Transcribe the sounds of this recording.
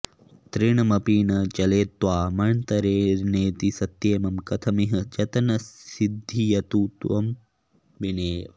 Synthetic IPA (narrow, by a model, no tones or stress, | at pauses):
t̪ɾiɳɐmɐpiːnɐt͡ʃɐleːt̪ːʋaːmɐɳt̪ɐɾeːneːt̪isɐt̪jeːmɐmkɐt̪ʰɐmiɦɐd͡ʒɐt̪ɐnɐsid̪ʱːijɐt̪uːt̪ʋɐm | bineːʋɐ